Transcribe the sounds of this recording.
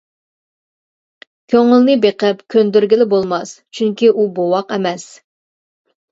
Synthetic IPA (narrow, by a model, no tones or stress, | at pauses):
kʲʰøŋɪlnɨbeqɛpkʲʰønd̪yɾɡʲilɪbolˠmɑst͡ʃʰyŋkʲiʔubowɑqɛmɛs